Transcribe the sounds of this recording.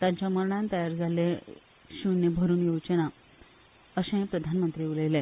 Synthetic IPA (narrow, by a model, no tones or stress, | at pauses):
t̪jãɲt͡ɕaməɾɳ̃ãnt̪əjaɾd͡zalːẽ | ɕunebʱəɾuːnjowt͡ɕəna | əɕẽpɾəd̪ʱanmənt̪ɾiːuləjlẽ